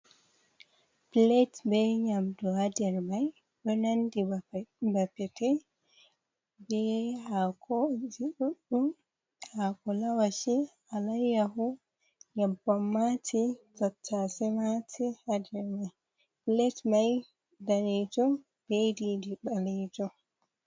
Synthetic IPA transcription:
piletbɛɲamdɔhadɛɾmaj | ɗɔnandibapːɛtɛ | bɛhakʰɔd͡ʒiɗuɗːu | hakɔlawaʃi | alajːaɦu | ɲabɔmːatʰitatʰːasɛmatʰihadɛɾmaj | pletmaj | dalitɔ | b̥edidiɓalitɔ

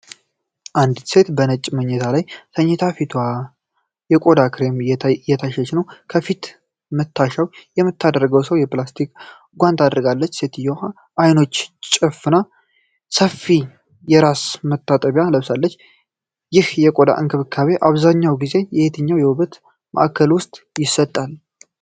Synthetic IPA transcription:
ʔand̪se̞t̪bənət͡ʃʼːməɲːɛt̪ʰalajsəɲːɛt̪ʰafit̪ʰwa | jɛkʼo̞d̪akʰɨɾe̞mjɛjɛt̪ʰaʃɛt͡ʃnəwkʰəfit̪ | mət̪ʰːaʃawjɛmːɨt̪ːad̪əɾəɡəwsəwjɛplast̪ʰik | ɡʷant̪ʰad̪ɾɨɡalːət͡ʃːse̞t̪ɨjːɛwha | ʔajno̞t͡ʃːt͡ʃʼɨfɨna | səfːi | jɛɾasmət̪ʰːat̪ʼəβjaləβsalːət͡ʃː | jɪhjɛkʼo̞d̪a̰ʔɨ̰ŋkʰəβɨkʰːaβe̞ʔaβzaɲːawɡize̞jɛhet̪ʰəɲːawjɛwɨβət̪ | mə̰ʔakʰːəlwʊst̪ʼjɪsːət̪ʼːal

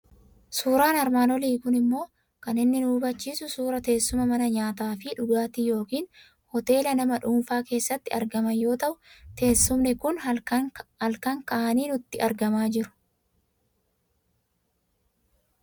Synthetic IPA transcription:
suːɾaːnɐɾmaːnɔliːkʊnɪmːo̞ː | kɐnɪnːɪnuːbɐt͡ʃːiːsʊsuːɾɐt̪e̞ːsːʊmɐmɐnɐɲaːt̪aːfɪᶑʊɡaːt̪ijo̞ːkiːn | hɔt̪e̞ːlɐnɐmɐᶑuːnfaːke̞ːsːɐt̪ːɪɐɾɡɐmɐjo̞ːt̪ɐʔʊt̪e̞ːsːʊmnɪkʊn | hɐlkɐŋkɐʔɐniːnʊt̪ːɪʔɐɾɡɐmaːd͡ʒɪɾʊ̥

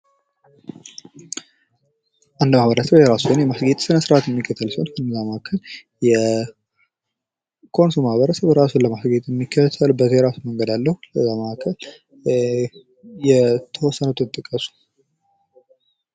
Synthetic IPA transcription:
ʔand̪mahβəɾəsəbjɛɾasunjɛmasɡet̪ʼsɨnəsɨɾʔat̪jɛmːikʰːət̪ʰəlsənkʰənːɨzaməʔakʰːəl | jɛ | kʰo̞nsumahβəɾəsəβɾasunləmasɡet̪ʼjɛmːikʰːət̪ʰəlbəzejɾasuməŋɡəd̪alːəhuləzaməakʰːəl | jɛt̪ʰəwɔsːənut̪ʰɨt̪ʼːɨkʼːəsu̥

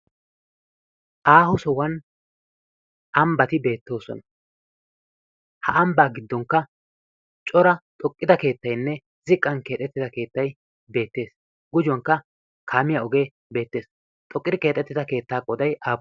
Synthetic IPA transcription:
ʔaːhʊsɔwɐn | ʔɐmbɐt̪ɪbe̞ːt̪ːo̞ːsɔ̰nɐ | hɐʔɐmbaːɡɪd̪ːɔŋkːɐ | t͡ʃʼɔɾɐt̪ʼɔkʼːɪd̪ɐke̞ːt̪ːɐjnːɛ | zɪkʼːɐnke̞ːt̪ʼːɛt̪ːɪd̪ɐke̞ːt̪ːɐj | be̞ːt̪ːe̞ːs | ɡʊd͡ʒʊwɐŋkːɐ | kʰaːmɪjaɔɡe̞ː | be̞ːt̪ːe̞ːs | t̪ʼɔkʼːɪd̪ɪkeːt̪ʼːɛt̪ːɪd̪ɐke̞ːt̪ːaːkʼɔd̪ɐjaː

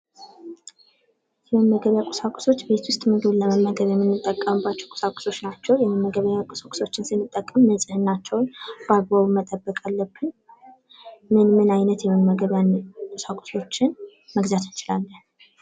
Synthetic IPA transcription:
jɛmɨnməɡəβjakʼʊsakʼu̥so̞t͡ʃːbe̞t̪wʊst̪ʼmɨnɡ̪ɨləməmːəɡəβjɛmːɨnːɨt̪ʼːəkʼːəmɨbat͡ʃːɛwkʼʊ̥sakʼʊ̥so̞t͡ʃːnat͡ʃːɛwjɛməmːəɡəβjakʼʊsakʼʊ̥so̞t͡ʃːɪnsɨnːɨt̪ʼːəkʼːəmːəsʼɨhɨnːat͡ʃːɛwnb̥aɡ̚βaβumət̪ʼəbːəkʼalːəbːɨn | mɨnmɨnajnət̪jɛmɨnməɡəβjankʼʊsakʼʊ̥so̞t͡ʃːɪn | məɡzat̪ʰɨnt͡ʃɪlalːən

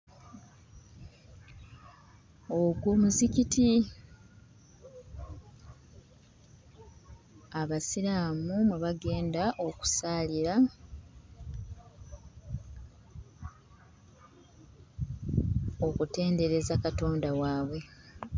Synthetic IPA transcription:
o̞ɡwoːmuziciti | aβasilaːmumuβaɡe̞ːndaʔo̞ku̥saːliɾa | o̞kute̞ːnde̞ɾe̞zakato̞ːndawaːβwe̞

